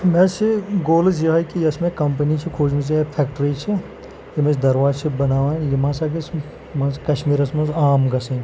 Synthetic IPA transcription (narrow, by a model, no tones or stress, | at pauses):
mẽsiɡoːlɐs̬jiɐkijɐsmẽkɐmpɐnit͡ʃʰikʰoːd͡ʒmis̬iɐpʰeːkʈɾiːt͡ʃʰi | jimɐ̃sd̪ɐɾʋaːt͡ʃʰibɐnaːʋãːjimãːsaɡɐs | mɐ̃zkɐʃmiːɾɐsmɐzaːmɡɐsɐn